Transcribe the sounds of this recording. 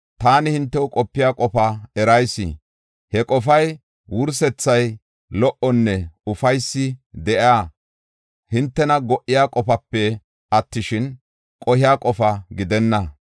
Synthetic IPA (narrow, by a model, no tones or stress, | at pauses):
t̪aːnɪhɪnt̪ːɛwʊkʼɔpːɪjaːkʼɔfaɛɾɐjsːɪ̰ | hɛkʼɔfɐj | wʊɾs̬ɛt͡sːɐj | lɔʔɔnːɛʊfɐjsːɪd̪ɛʔaː | hɪnt̪ːɛnɐɡɔʔɪjaːkʼɔfɐpːɛ | ɐt̪ːɪʃɪn | kʼɔhɪjaːkʼɔfɐɡɪd̪ɛnːɐ